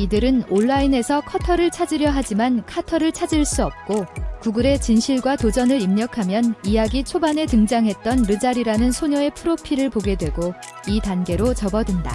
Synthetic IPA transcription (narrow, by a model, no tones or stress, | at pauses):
idɯɾɯnoɭːaine̞sʰʌkʰʌtʰʌɾɯɭt͡ɕʰad͡ʑiɾjʌɦad͡ʑimankʰatʰʌɾɯɭt͡ɕʰad͡ʑiɭs͈uʌp̚k͈okuɡuɾe̞t͡ɕinɕʰiɭɡwatod͡ʑʌnɯɾimɲʌkʰamjʌnijaɡit͡ɕʰobane̞tɯŋd͡ʑaŋɦe̞t̚t͈ʌnɾɯd͡ʑaɾiɾanɯnsʰoɲʌe̞pʰɯɾopʰiɾɯɭpoɡe̞dwe̞ɡo | itanɡe̞ɾot͡ɕʌbʌdɯnda̰